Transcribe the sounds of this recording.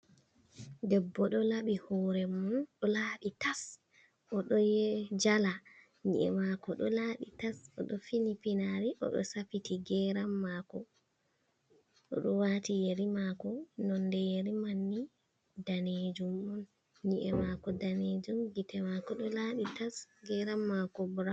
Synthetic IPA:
dɛbːɔɗɔlaɓihɔɾɛmunɗɔlaːɗitas | ʔɔɗɔjɛd͡ʒala | ɲḭʔɛ̰makɔɗɔlaɗitasɔɗɔfinipinaɾiʔɔ̰ɗɔ̰sapitiɡɛɾamːakɔ | ʔɔ̰ɗɔwatijeɾimakɔnɔndɛjeɾimanːi | daned͡ʒumɔn | ɲiʔɛmakɔdaned͡ʒumɡitɛmakɔɗɔlaɗitasɡɛɾamːakɔbuɾa

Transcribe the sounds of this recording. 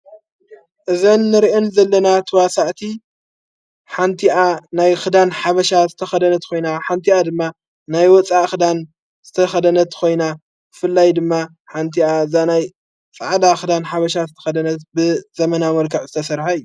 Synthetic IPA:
ʔɨzɐnːɨɾʔɨnzɐlːɐnat̪ʰɨwasaʔt̪ʰi | ħant̪ʰiʔanajxɨd̪anħaβɐʃazɨt̪ʰɐxɐd̪ɐnɐt̪kʰo̞jnaħant̪ʰiad̪ɨmːa | najwɔt͡sʼaʔxɨd̪an | z̥ɨt̪ʰɐxɐd̪ɐnɐt̪kʰo̞jna | bɨfɨlːajd̪ɨmːa | ħant̪ʰiaɨzanaj | t͡sʼaʕd̪axɨd̪anħaβɐʃazɨt̪ʰɐ̥xɐd̪ɐnɐt̪bɨzɐmɐnamɐlkʰɐʕzɨt̪ʰɐsɐɾħajːu

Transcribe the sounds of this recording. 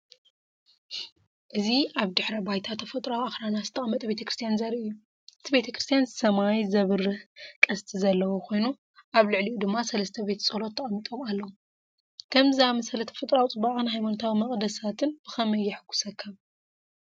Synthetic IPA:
ʔɨziaβd̪ɨħɾɐbajt̪ʰat̪ʰːɐfɐt̪ʼɾawaxɾanazɨt̪ʰːɐʔʼɐmːɐt̪ʼbe̞t̪ʰɐkɾɨst̪ijanzɐɾiɨjːu | ʔɨt̪ʰibe̞t̪ʰɐkɾɨst̪ʰjanzɨsɐmajzɐβɨrɨhkʼɐst̪ʰʼizɐlːɐwokʰo̞jnu | ʔaβlɨʕliʔud̪ɨmːasɐlɐst̪ʰɐbe̞t̪t͡sʼɐlo̞t̪ʰːɐʔʼɐmːit̪ʼomalːɐwu | kʰɐmzamɐsɐlɐt̪ʰɐ̥fɐt̪ʼɾawt͡sʼɨbaʔʼɨnɦajmanot̪ʰawimɐχʼd̪ɐsat̪ʰɨnb̥ɨxɐmɐjːɪħkʰʷːu̥sɐkʰːɐβ

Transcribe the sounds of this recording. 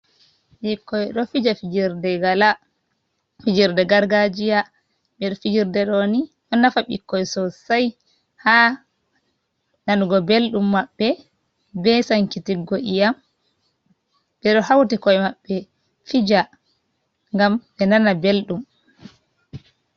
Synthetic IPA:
ɓikːɔjɗɔfid͡ʒafid͡ʒiɾdɛɡala | fid͡ʒiɾdɛɡaɾɡad͡ʒija | ɓɛɗɔfid͡ʒiɾdɛɗɔniɗɔnafaɓikːɔjɛsɔsaj | ha | nanɡɔbelɗumːaɓːɛ | bɛsaŋkitiɡoʔijam | bɛɗɔhawtikɔjɛmaɓːɛ | fid͡ʒa | ŋɡamɓɛnanabelɗum

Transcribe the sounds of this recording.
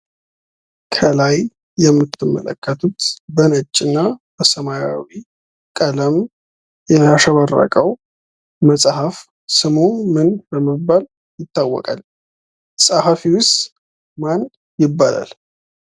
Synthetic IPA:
kʰəlajː | ɛmːɨt̪ʰːɨmːə̰lə̰kʰːət̪ʰut̪bənət͡ʃʼːɪnːabəsəmajawi | kʼələm | jɛaʃəβərːə̰kʼəw | məsʼhəf | sɨmumɨnbəmːəbːal | jɪt̪ːawːɔ̰kʼa̰l | sʼahafiwʊst̪ | man | jɪbːala̰l

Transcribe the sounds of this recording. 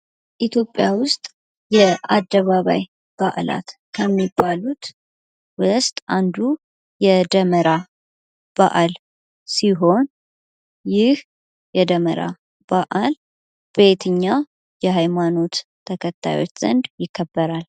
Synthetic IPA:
ʔit̪ʰjo̞pʼːjawʊst̪ʼ | jɛʔad̪ːəβaβa̰j | b̥aʔla̰t̪ | kʰəmːibːalut̪ | wɨst̪ʼand̪u | jɛd̪əməɾa | b̥a̰ʔal | siɦo̞n | jɪh | jɛd̪əmə̰ɾa̰ | baʔal | b̥e̞t̪ʰɨɲːa | jɛɦajmano̞t̪ʰː | əkʰət̪ʰːa̰jwo̞̰t͡ʃːz̥ə̰nd̪jɪkʰːəbːəɾal

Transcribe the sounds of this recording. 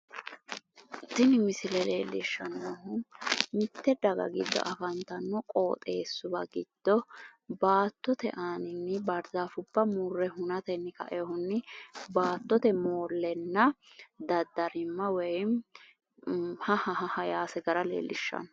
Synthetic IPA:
t̪ːɪnɪmɪsɪlɛlḛːlːɪʃːɐnoɦʊmɪt̪ːɛd̪ɐɡɐ̰ɡɪd̪ːɔ̰ʔɐfɐnt̪ɐnːɔkʼoːt̪ʼe̞ːsːʊbɐ̰ɡɪd̪̥ːɔbaːt̪ːɔt̪ɛ̰ʔaːnɪnːɪbɐɾdaːfʊb̥ːɐmuːrːɛɦʊnɐt̪ɛnːɪkɐ̰ʔɛhʊnːɪbaːt̪ːɔt̪ɛmoːlːɛnːɐd̪ɐd̪ːɐɾɪmːɐwɛjm | hɐhɐɦɐhɐjaːsɛɡɐɾɐlḛːlːɪʃːɐ̰nɔ

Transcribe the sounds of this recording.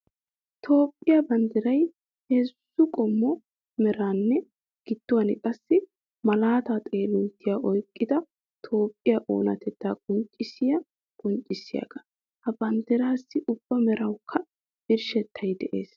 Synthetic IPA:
t̪ʰo̞ːpʼːɪjɐbɐnd̪ɪɾɐj | heːsːʊkʼɔmːɔ | mɛɾaːnːɛ | ɡ̥ɪd̪ːʊwɐnɪkʼɐsːɪ | mɐlaːt̪at̪ʼe̞ːlʊnt̪ːɪjaʔɔjkʼːɪd̪ɐ | t̪ʰo̞ːpʼːɪjaʔo̞̰ːnɐ̰t̪ʰɛt̪ːaːkʼʊnt͡ʃʼːɪsɪjɐ | kʼʊnt͡ʃʼːɪsːɪja̰ɡɐ | hɐbɐnd̪ɪɾaːsːɪʔʊb̥ːɐmɛɾɐwkʰːɐ | bɪɾʃɛt̪ʰːɐjd̪ɛʔḛːs

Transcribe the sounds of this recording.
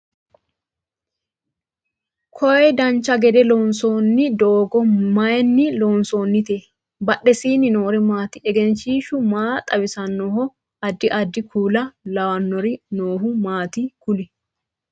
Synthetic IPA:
kʰɔjd̪ɐnt͡ʃːɐɡɛd̪ɛloːnsoːnːɪd̪oːɡɔmɐjnːɪloːnsoːnːɪt̪e | bɐɗːɛsiːnɪnoːɾɪmaːt̪ɪɛɡɛnʃiːʃʊmaːt̪ʼɐbɪsɐnːɔɦɔ | ɐd̪ːɪʔɐd̪ːɪkʰuːlɐlɐwɐnːɔɾɪnoːhʊmaːt̪ɪkʊlɪ

